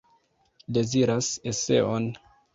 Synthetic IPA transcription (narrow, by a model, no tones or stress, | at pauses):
de̞ziɾase̞se̞̰o̞n